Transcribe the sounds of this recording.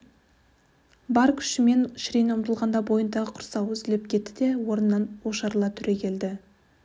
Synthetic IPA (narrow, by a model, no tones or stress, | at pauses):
bɑɾkʲʰʏ̥ʃɪme̞nʃɾijnəmt̪əlˠʁɑnd̪ɑbo̞jənd̪ɑʁəqʰʊ̥ɾsɑwʏzɪlɪp̚kʲʰe̞t̪ːɪd̪e̞wo̞ɾənːɑnwoʃɑɾlˠɑt̪ʰʏɾe̞kʲʰe̞ld̪ɪ